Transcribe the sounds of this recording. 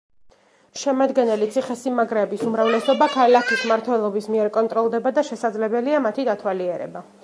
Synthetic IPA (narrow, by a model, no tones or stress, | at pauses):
ʃɛmad̪ɡɛnɛlit̪sʰiχɛsimaɡɾɛːbisumɾavlɛsɔbakʰalakʰismaɾt̪ʰwɛlˠɔbismiɛɾkʼɔnt̪ʼɾɔlˠd̪ɛbad̪aʃɛsad̪zlɛbɛliamat̪ʰid̪at̪ʰwaliɛɾɛ̰ba